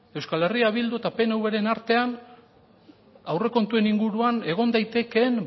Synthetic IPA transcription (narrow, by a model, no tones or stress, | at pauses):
e̞wskale̞riaβ̞ild̪uet̪ape̞newβe̞ɾe̞naɾt̪e̞an | awre̞ko̞nt̪ue̞niŋɡuɾuane̞ɣ̞o̞nd̪ajt̪e̞ke̞n